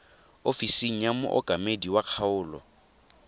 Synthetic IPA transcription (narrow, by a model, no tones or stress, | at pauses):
ofisiŋ̩jamʊ̰ʔɔ̰kʼamediwaq͡χʰaʊːlɔ̰